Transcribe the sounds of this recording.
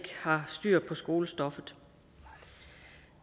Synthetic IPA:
ɡ̥hɑ̈sd̥yɐ̰pʰɒ̽sɡ̥o̝ːləsd̥ɒ̽fð̩ˠ

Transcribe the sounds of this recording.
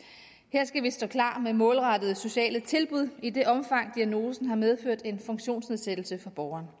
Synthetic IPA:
heɐ̰sɡ̥æʋisd̥ɔ̰̽ːkʰlɑ̰̈ːmemɔ̽ːlʁɑ̈d̥əð̞̩ˠso̝ɕɛ̰ːlət͡sʰe̝lb̥uð̞̰ˠid̥e̝ʔɒ̽mfɑ̈ŋ̰d̥iæno̝ːsn̩ɦɑ̈með̞ˠføɐ̰d̥e̝nfɔ̽ŋɕo̝̰ːnsneðˠsed̥l̩səfɑ̈b̥ɒʊɐːn

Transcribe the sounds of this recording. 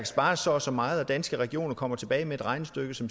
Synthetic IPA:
ɡ̥sb̥ɑ̈ːsɒsɒ̽mɑ̈ːð̩ˠæd̥ænsɡ̥əʁɛɡ̥io̝̰ːnɐkʰɒ̽m̰ɐt͡sʰe̝b̥ɛːɪmee̝d̥ʁɑ̈ɪnəsd̥øɡ̥əsɒ̽m

